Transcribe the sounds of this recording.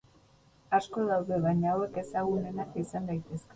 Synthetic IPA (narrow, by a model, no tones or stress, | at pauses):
asko̞ðawðe̞βaɲaowe̞ke̞saɣune̞nakisand̪ajt̪e̞ske